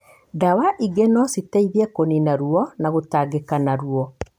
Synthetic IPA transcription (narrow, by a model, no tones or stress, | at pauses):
dawaʔiɡenɔsitɛiðiɛkoninaɾuɔnaɣotaɡekanaɾuɔ